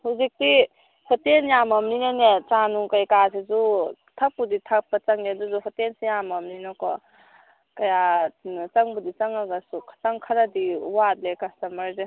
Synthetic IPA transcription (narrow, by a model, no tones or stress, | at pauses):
huzik̚ti | hɔtenjamɐmninanet͡ʃanukajkasizu | tʰak̚puditʰak̚pat͡ʃaŋeduzuɦɔtensijamɐmninɔkɔ | kɐjant͡ʃaŋbudit͡ʃaŋaɡasukʰḁtaŋkʰɐɾadiwat̚lekɐstɐmɐɾze